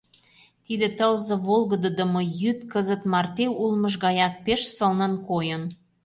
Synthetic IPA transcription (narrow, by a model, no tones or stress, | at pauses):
t̪id̪ĕt̪əlzɤ̆βolɣə̆d̪ə̆d̪ə̆mŏjyt̪kəzət̪mɑrt̪eulməʒɣɑjɑk̚peʃsə̆lnə̆nkojən